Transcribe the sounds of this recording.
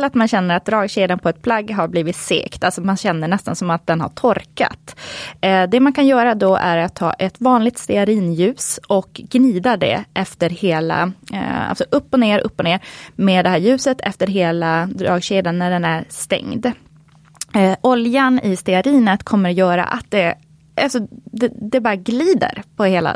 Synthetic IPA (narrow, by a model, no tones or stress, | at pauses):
lːat̪manɕɛnːəɾat̪̚d̪ɾɑːɡɕeːd̪ənpʰɔɛt̪̚pʰlaɡːɦaɾbliːvɪt̪sḛːkt̪alsɔmanɕɛnːəɳɛst̪a̰nsɔmat̪̚d̪ɛnha̰ʈʰɔɾka̰t̪ | d̪ɛmankʰanjœːɾad̪ɔæɾat̪ʰːɑ̰ːʔɛt̪vɑːnlɪɡ̚t̪st̪ɛaɾiːnjʉ̟ːsʔɔkɡniːd̪ad̪ɛ̰ʔɛft̪əɾheːla̰a̰lsɔʔɵpːɔneːɾʔɵ̰pːɔneːɾmeːd̪ɛɦæːɾjʉ̟ːsət̪ʰɛ̰ft̪əɾɦeːlad̪ɾɑ̰ːɡɕeːd̪ənːæɖɛnæɾst̪ɛ̰ŋd̪ | ʔɔljanɪst̪ɛaɾiːnət̪kʰɔmːəɾjœːɾa̰ʔa̰t̪̚d̪ɛ | ʔalsɔd̪ɛd̪ɛbɑːɾaɡliːd̪ə̰ɾpʰɔheːla̰